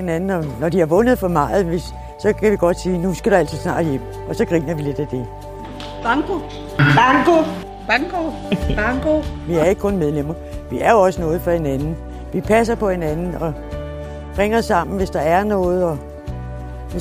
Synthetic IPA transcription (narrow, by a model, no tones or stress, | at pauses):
enænn̩ɒ̽nɒd̥ihɑ̈ʋɔ̽nð̩ˠfɒ̽mɑ̈ːð̩ˠʋe̝sː | ɒ̽kʰæʋiɡ̥ɒ̽d̥siːnusɡ̥æd̥uæl̰t͡sʰiðˠsnɑ̰̈ːd̥jem̰ | ɒ̽sɒ̽ɡ̥ʁiŋ̰ɐʋile̝d̥æd̥e̝ | b̥ɑŋko | b̥ɑŋko | b̥ɑŋɡ̥o | b̥ɑŋɡoʋiæɐe̝ɡə̥kʰɔ̽nmeð̞ˠlem̰ɐ | ʋiæɐjoɒ̽sənɔ̽ːð̞̩ˠfɒ̽he̝nænn̩ | ʋipʰæs̬ɐpʰɒ̽he̝nænn̩ɒ̽ | ʁeŋ̰ɐsːɑ̈m̰n̩ʋe̝sd̥ɑ̈æɐnɔ̽ːð̞̩ˠɒ̽ | ʋe